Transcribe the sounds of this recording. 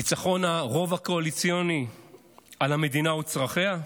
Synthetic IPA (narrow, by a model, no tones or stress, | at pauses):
it͡saχo̞naʁo̞vako̞alit͡sjo̞ni | alame̞dinaut͡sʁaχea